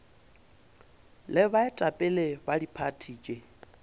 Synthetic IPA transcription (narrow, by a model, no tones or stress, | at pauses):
lɪbaɪtʼapʼɛlebadipʰatʰiːkʼɪ